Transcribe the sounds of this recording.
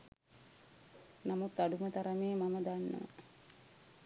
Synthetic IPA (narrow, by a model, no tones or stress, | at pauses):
namut̪ːaɖumət̪aɾəmeːmaməd̪anːə̰